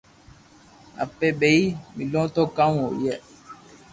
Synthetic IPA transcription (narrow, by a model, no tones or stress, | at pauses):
a̰pɛɓeimilɔ̃tɔkawɔjɛ